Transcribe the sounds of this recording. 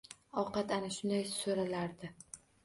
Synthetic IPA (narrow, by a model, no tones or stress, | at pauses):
ɒqɑt̪anaʃʊnd̪ajsoɾalaɾd̪ɪ